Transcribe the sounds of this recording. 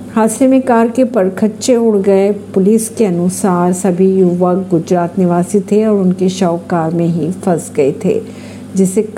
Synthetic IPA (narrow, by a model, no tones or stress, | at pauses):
haːsɾemẽkaːɾkepɐɾkʰətːʃẽʊɽ̤ɡɐepʊliːskeɐnʊsaːɾsɐbʱijʊʋəkɡʊd͡ʒɾaːt̪nɪʋaːsit̪ʰeɔːɾʊnkeʃɔːkaːɾmẽɦifɐzɡɐet̪ʰḛː | d͡ʒɪsek